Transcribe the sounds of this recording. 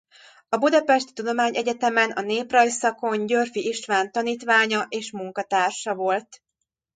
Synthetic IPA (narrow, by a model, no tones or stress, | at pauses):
ɒbud̪ɒpɛʃt̪i̥t̪ud̪o̞maːɲʔɛɟɛt̪ɛmɛnɒneːprɒjsɒko̞ɲɟørfiiʃʋaːnt̪ɒniːt̪ʋaːɲɒʔeːʃmuŋkɒt̪aːrʃɒvo̞lt̪